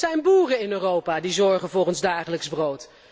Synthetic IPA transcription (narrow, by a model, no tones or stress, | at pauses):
ɛjnbuːrənɪnøːrowpaːdizɔɹχənvʊːχənzdaːχələkzbrowt